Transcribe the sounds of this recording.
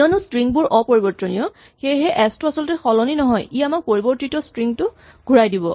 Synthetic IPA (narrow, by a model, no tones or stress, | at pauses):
ɔnustɹiŋbʊɹʔɔpoɹibɔɹtɔnijɔ | xejɦɛʔɛstuasɔlɔtɛxɔlɔninɔɦɔjiamak̚poɹibɔɹtitɔstɹiŋtʊ | ɡʱuɹajdibɔ